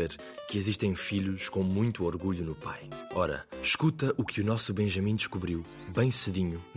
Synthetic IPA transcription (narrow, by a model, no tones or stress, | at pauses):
eɾ | kɨiziʃt̪ɐ̃j̃fiʎuʃkõmũj̃t̪uoɾɣuʎunupa̰jɔɾɐ̰ʃkut̪ɐʔukʰɨunɔsuβẽʒɐmĩd̪ɨʃkuβɾiw | bɐ̃j̃sɨðiɲun